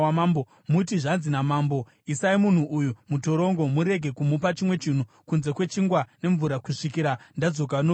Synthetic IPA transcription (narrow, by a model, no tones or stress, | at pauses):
mambo | muitiʐanzinamaːmbo̞ | isaimun̤uʔujumuto̞ɾo̞ŋɡo̞muɾe̞ɡʱe̞kumupat͡ʃimwe̞t͡ʃin̤u | kunze̞kwe̞t͡ʃiŋɡwane̞ɱvuɾakuʂikiɾandad͡zo̞k̬ano